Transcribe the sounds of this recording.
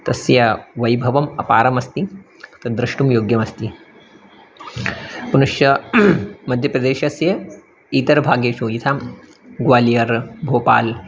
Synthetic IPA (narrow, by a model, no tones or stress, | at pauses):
t̪ɐsjɐʋɐjbʱɐʋɐmɐ̰pa̰ːɾɐmɐst̪i | t̪ɐd̪ɾɐʂʈumjoːɡjɐmɐst̪i | punuʂjɐ | mɐd̪ʱjɐpɾɐd̪eːʃɐsjɐ | it̪ɐɾbʱaːɡjeːt͡ʃujit̪ʰaːm | ɡʋaːlijɐɾbʱoːpa̰ːl